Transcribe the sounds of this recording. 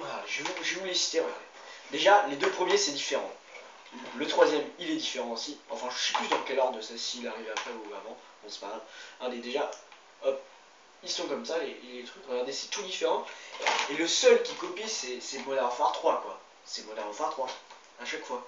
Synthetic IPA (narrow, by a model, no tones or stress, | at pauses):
aʒəvuʒəvulesi̥t̪eɔ̃ʁəɡaʁd̪e | d̪eʒaled̪øpχəmjesɛd̪ifeʁɑ̃ | lət̪χwazjɛmilɛd̪ifeʁɑ̃osiɑ̰̃fɛ̃ʒəsɛ̥plysd̪ɑ̃kʲɛlɔʁd̪ʁəsɛsiːlaʁivɛapχɛuavɑ̃ | ɔ̃spaʁlãd̪ed̪eʒa | ɔp | ilsɔ̃kɔmsaleleet̪χykʁəɡaʁd̪esɛ̥t̪ud̪ifeʁɑ̃eləsœlkʲikɔpisɛsɛmɔd̪aʁfwaʁt̪χwakwa | sɛmɔd̪aʁɔfwaʁt̪χwaː | ʃakfwa